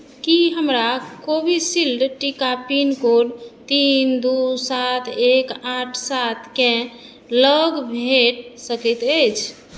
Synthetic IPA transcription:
kiɦəmɾakobisilɖʈikapinkoɖt̪ind̪usat̪ʰekaʈʰsat̪ʰkẽ | ləɡbʱeʈsəkɛt̪əjt͡ʃʰ

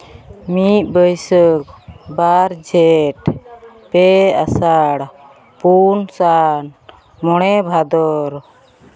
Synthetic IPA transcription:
mit̪̚bəjsəkbaɾd͡ʒɛʈ | pɛa̰saɽ | punsan | mɔɽ̃ɛbʱad̪ɔɾ

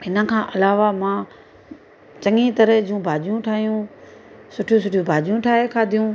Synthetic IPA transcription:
ɦɪnə̆kʰãːʔɐlaːʋamãː | t͡ɕɐŋit̪ɐɾəd͡ʑũbʱaːd͡ʑijũʈʰaːɦijũ | sʊʈʰjũsʊʈʰijũbʱaːd͡ʑijũʈʰaːɦekʰaːd̪ʱijũ

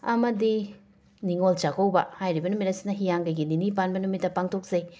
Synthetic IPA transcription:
ɐ̰mɐdi | niŋolt͡ʃaɡowbɐ̰hajɾibɐnumitɾɐsi̥nɐɦijaŋɡɐjɡininipanbɐnumitːɐpaŋtʰok̚z̥ɐj

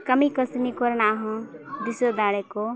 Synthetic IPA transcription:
kəmikəsnikoɾnaɦũd̪isod̪aɽeko

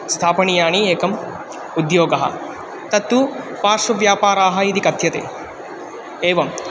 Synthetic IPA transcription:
st̪ʰaːpɐɳijaːɳieːkɐm | ud̪joːɡɐɦɐ̰ | t̪ɐt̪ːu | paːʂɐʋjaːpaːɾaːɦɐid̪ikɐt̪jɐt̪ḛː | eːʋɐm

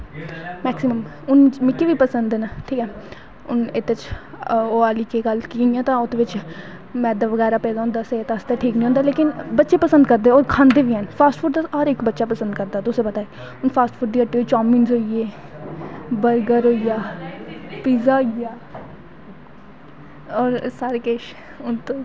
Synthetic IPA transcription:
mɛːksɪməm | ʊnmɪkːiʋiːpəsənd̪ɛːnaʈʰiːkɛː | ʊnɪt̪ːet͡ʃ | oːaːliːkeɡəlkijãːt̪ãːʊt̪eːʋɪt͡ʃ | mɛ̃ːd̪aːʋəɡɛːɾaːpɛːd̪aːʊ̃nd̪aːseeːt̪ːst̪ɛːʈʰiːknĩɦõːnd̪aːleːkɪnbətːʃeːpəsə̃nd̪kəɾd̪eːoːɾkʰãːnd̪eːʋiːɛːnpʰaːsʈfʰʊɖd̪aɦəɾɪkbətːʃaːpəsənd̪̚kəɾd̪aːt̪ʊsẽːpət̪aːeː | ʊnpʰaːsʈfʰʊɖd̪iːəʈːiːɦoːiːt͡ʃaːmiːnzɦoːieː | bəɾɡəɾɦoːijaː | piːzaːɦoijaː | ɔːɾsaːɾekeːʃ | ʊnt̪õː

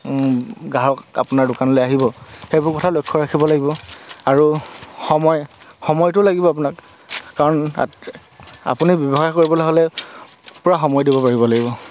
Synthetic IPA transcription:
ɡaɹɔka̰pʊnaɹdʊkanɔlejaɦibɔxejbʊɹkɔtʰalojkʰːɔɹakʰibɔlaɡibɔaɹuxɔmɔjxɔmɔjtʊlaɡibɔap̬unakːaɹɔna̰ | a̰punibɔbɔxakoɹibɔlaɦolɛ | pʊɹaxɔmɔjdibɔpaɹibɔlaɡibɔ

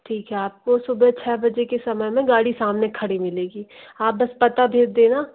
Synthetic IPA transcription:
ʈʰiːkɦɛaːp̚kosʊbət͡ʃʰɛːbɐd͡ʒekesɐməjmẽɡaːɽisaːmnekʰɐɽimɪleːɡiːaːp̚bɐspɐt̪abʱeːd͡ʒd̪eːnaː

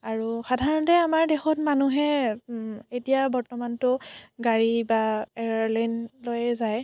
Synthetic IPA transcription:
aɹuxadʱaɹɔntɛamaɹdɛxɔtmanuɦɛ | etijabɔɹtɔmantʊɡaɹibaɛɹaɹlajnlojɛzaj

